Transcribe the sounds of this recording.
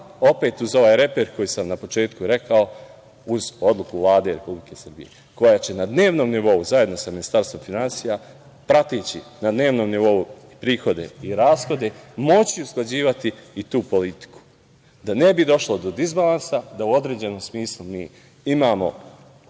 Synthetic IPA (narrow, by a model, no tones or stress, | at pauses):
o̞pe̞ːt̪uzo̞ʋaːjɾe̞peɾko̞jisamnapo̞t͡ʃe̞ːt̪kuɾe̞kao | uzo̞d̪lˠukuvlˠaːd̪e̞ɾe̞publike̞sər̩bḭje̞̰ | ko̞jat͡ɕenad̪ne̞ːʋno̞ːmniʋo̞uzajed̪no̞saminist̪aːɾst̪ʋo̞mfinansija | pɾat̪it͡ɕḭnad̪ne̞ːʋno̞ːmniʋo̞uipɾiːxo̞d̪e̞̰iɾaːsxo̞d̪e̞mo̞t͡ɕiusklˠad͡ʑiːʋat̪iːt̪uːpo̞lit̪i̥ku̥ | d̪ane̞bid̪o̞ʃlˠo̞d̪o̞d̪izbalˠansad̪auo̞d̪ɾe̞ːd͡ʑe̞no̞ːmsmiːslˠumiː | imaːmo̞̰